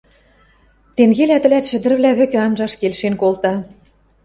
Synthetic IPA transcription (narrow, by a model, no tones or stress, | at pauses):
t̪eŋɡelæt̪ɘ̆læt̪ʃɘ̆d̪ɘ̆rβlʲæβɘ̆kɘ̆ɑnʒɑʃkelʃenkolt̪ɑ